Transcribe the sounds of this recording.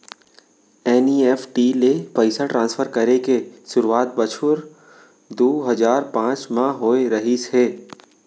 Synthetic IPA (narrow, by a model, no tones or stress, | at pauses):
ɛːniɛːfʈilepəɪsaʈɾãːnsfʰəɾkɐɾekesʊɾuaːt̪̚bɐt͡ʃʰʊɾ | d̪oːɦɐzaːɾpãːt͡ʃmãɦoːeɾɐɦiseː